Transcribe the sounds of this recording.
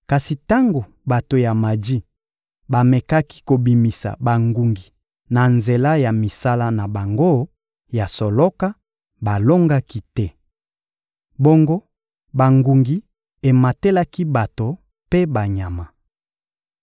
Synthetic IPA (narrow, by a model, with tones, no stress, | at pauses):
ka˨si˨ta˦ŋɡo˨ | ba˨to˨ja˨ma˨di˦ | ba˨mɛ˨ka˦ki̥˦ko˨bi˨mi˨sa̰˨ba˨ŋɡu˨ŋɡi˨ | na˨nze˨la˦ja˨mi˨sa˦la˦na˨ba˨ŋɡo˦ | ja˨sɔ˨lɔ˦ka˦ | ba˨lo˦ŋɡa˦ki˦tɛ˦ | bo˦ŋɡo˦ | ba˨ŋɡu˨ŋɡi˨ | e˨ma˨te˦la˦ki˦ba˨to˨ | pe˦ba˨ɲa˨ma˨